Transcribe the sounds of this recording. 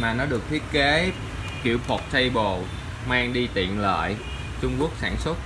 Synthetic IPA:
maː˨˩nɔ˨˦ɗɨ˨˩ək̚t̪ʰi˦˥ət̚ke˨˦ | kḭ˧˩əwfʰo˨˩t̚t͡ɕə˧jɓo˨˩ | maː˧ŋɗi˧t̪ḭ˧˨ənlə̰ː˧˨j | t͡ɕʊ˧ŋ͡mku˦˥ək̚saː˧˩nsə˦˥t̚

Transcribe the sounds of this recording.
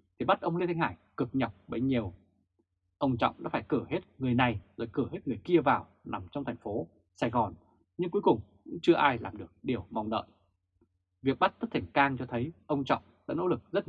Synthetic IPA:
t̪ʰi˨˩ɓa˦˥t̚ʔə˧wli˧t̪ʰŋ̟haː˧˩jkɨ˨˩k̚ɲə˨˩k͡p̚ɓə˧˩ɲi˨˩əw | ʔə˧wŋ͡mt͡ɕɔ̰˧˨wŋ͡mɗa̰ː˧˥faː˧˩jkɨ˧˩he˦˥t̚ŋɨ˨˩əjna˨˩jzɔ̰ː˧˩jkɨ˧˩he˦˥t̚ŋɨ˨˩əjki˧əvaː˨˩wna˨˩mt͡ɕɔ˧ŋ͡mt̪ʰɛ˨˩ŋ̟fo˨˦ | saː˧˩jɣɔ˨˩n | ɲɨ˧ŋku˨˦kʊ˨˩ŋ͡mkʊ̰˧˥ŋ͡mt͡ɕɨ˧əʔaː˧jla̰ː˨˩mɗɨ˨˩ək̚ɗi˨˩əwma˨˩wŋ͡mɗə̰ː˧˨j | vi˨˩ək̚ɓt̚t̪ʰə˦˥t̚t̪ʰa˧˩ŋkaː˧ŋt͡ɕɔ˧t̪ʰə˨˦jʔə˧wŋ͡mt͡ɕɔ̰˧˨wŋ͡mɗa̰ː˧˥no̰˧˥lɨ˨˩k̚zə˦˥t̚

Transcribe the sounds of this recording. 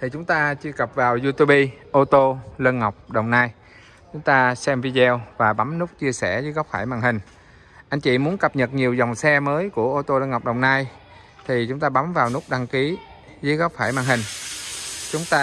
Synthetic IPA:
t̪ʰi˨˩t͡ɕʊ˨˦ŋ͡mt̪aː˧t͡ɕɨ˧əkə˨˩p̚vaː˨˩wzu˧t̪u˧ɓi˧ʔo˧t̪o˧lə˧nŋa˨˩wk͡p̚ɗə˨˩wŋ͡mnaː˧j | t͡ɕʊ˨˦ŋ͡mt̪aː˧sɛ˧mvi˧zɛ˧wvaː˨˩ɓa˨˦mnu˦˥k͡p̚t͡ɕi˧əsɛ˧˩zəː˨˦jɣɔ˦˥k͡p̚faː˧˩jma̰ː˧˩ŋhï˨˩ŋ̟ | ʔa˧jŋ̟t͡ɕḭ˧˨mu˨˦ənkə˨˩p̚ɲə˨˩t̚ɲi˨˩əwza˨˩wŋ͡msɛ˧məː˨˦jku˧˩əʔo˧t̪o˧lə˧nŋa˨˩wk͡p̚ɗə˨˩wŋ͡mnaː˧j | t̪ʰi˨˩t͡ɕʊ˨˦ŋ͡mt̪aː˧ɓa˨˦mvaː˨˩wnu˦˥k͡p̚ɗa˧ŋki˨˦ | zəː˨˦jɣɔ˦˥k͡p̚faː˧˩jmaː˧˩ŋhï˨˩ŋ̟ | t͡ɕʊ˨˦ŋ͡mt̪aː˧

